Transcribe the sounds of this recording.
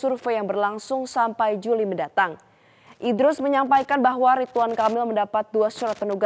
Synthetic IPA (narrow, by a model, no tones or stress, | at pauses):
surfejaŋbərlaŋsʊŋsampajd͡ʒuliməndat̪aŋ | ʔidɾʊsməɲampajkanbaɦwaɾit̪uankamɪlməndapat̪̚duasuɾat̪̚pənuɡa